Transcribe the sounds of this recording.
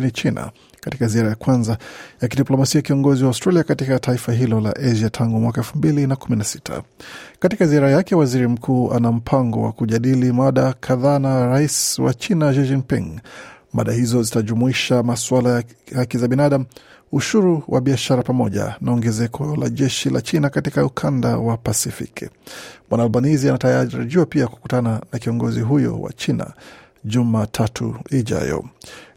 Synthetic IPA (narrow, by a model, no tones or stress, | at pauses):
init͡ʃina̰ | kati̥kaziaɾajakwanzajakiɗiplɔmasiakiɔŋɡɔziwaustɾaliakatikataifaɦilɔla̰ʔɛʒatʰaŋɡumwakaɛlfum̩bilinakuminasi̥tʰa̰katikaziaɾajakɛwaziɾim̩kʰuːʔa̰nam̩pʰaŋɡɔ̰wa̰kuʄaɗilimaɗakʰaðaːnaɾaiswa̰t͡ʃinaʃid͡ʒiŋpḭ̃ŋ | ma̰ɗahizɔzitaʄumuiʃamaswalaj | hakizaɓinaɗam̩ | uʃuɾuwʔa̰ɓiaʃaɾapamɔʄa̰naɔŋɡɛzɛkʰɔla̰ʄɛʃila̰t͡ʃinakatikaukʰanda̰wapasifḭkḭmwanaulbanizianataaɾḭʄiwapiaku̥ku̥tananakiɔŋɡɔziɦujɔ̰wa̰t͡ʃina̰ | ʄumatʰatʰṵiʄa̰jɔ̰